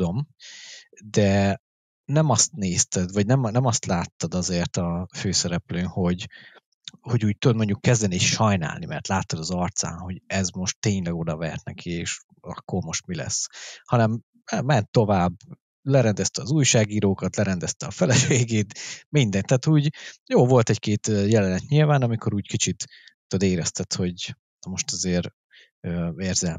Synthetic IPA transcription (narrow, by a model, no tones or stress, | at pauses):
om | d̪ɛ | nɛmɒst̪neːst̪ɛd̪vɒɟnɛmnɛmɒst̪laːt̪ːɒd̪ɒzeːrt̪ɒføːsɛɾɛpløːnho̞ɟ | ho̞ɟuːc̚t̪ud̪moɲɟukːɛzd̪ɛneːʃʃɒjna̰ːlnimɛ̰rt̪laːt̪ːɒd̪ɒzɒrt̪sa̰ːnho̞ɟɛzmo̞ʃt̪ːeːɲlɛɡo̞d̪ɒvɛ̰rt̪nɛkʰieːʃ | ɒ̰kːormo̞ʃt̪milɛ̰shɒnɛm | ɛmɛnt̪ːo̞vaːb | lɛɾɛnd̪ɛst̪ɛɒzuːjʃaːɡiːɾoːkɒt̪lɛɾɛnd̪ɛst̪ɛɒfɛlɛʃeːɡeːt̪mind̪ɛnt̪ːaːt̪uːɟjoːvo̞lt̪ɛckeːt̪ːjɛlɛnɛt̪ɲilvaːnɒmikʰo̞ɾuːckit͡ʃit̪ː | od̪eːɾɛst̪ɛt̪ho̞ɟ | nɒmo̞ʃt̪ɒzeːɾ | øːeːrzɛl